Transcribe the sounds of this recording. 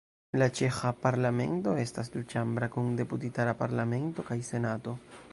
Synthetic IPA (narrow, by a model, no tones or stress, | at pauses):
lat͡ʃe̞xapaɾlame̞̰nto̞e̞stas̬dut͡ʃambɾakunde̞putitaɾapaɾlame̞nto̞kajse̞nato̞